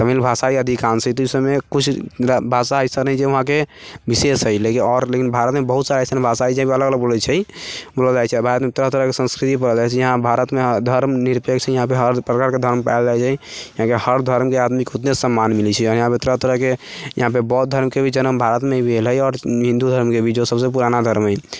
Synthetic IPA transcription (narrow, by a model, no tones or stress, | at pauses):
t̪əmilbʱasaiəd̪ʱikansəit̪isəmekut͡ʃʰbʱasaəjsənəɦit͡ʃʰeʊɦãkebisesɦəjlekiɔɾlekinbʱaɾət̪mebəɦut̪saɾasənebʱasaid͡ʒəɦãpeələɡələɡ̚bolət͡ʃʰɛjboləd͡ʒajt͡ʃʰɛbʱaɾət̪meut̪ɾəɦt̪əɾəɦkesə̃nskɾit̪ipəɾəd͡ʒajt͡ʃʰɛjəɦãbʱaɾət̪med̪ʱəɾmniɾpekt͡ʃʰɛjəɦãpeɦəɾpɾəkaɾked̪ʱəɾmpaɪld͡ʒajt͡ʃʰɛjəɦãkehəɾd̪ʱəɾmkead̪mikeot̪nesəmːanmilit͡ʃʰɛɔjəɦãpeut̪ɾət̪əɾəɦkejəɦãpebɔt̪̚d̪ʱəɾmkebʱid͡ʒənəmbʱaɾət̪mebʱelɦəjɔːɾɦĩnd̪ud̪ʱəɾmkebʱid͡ʒosəbsepuɾanad̪ʱəɾmɦəj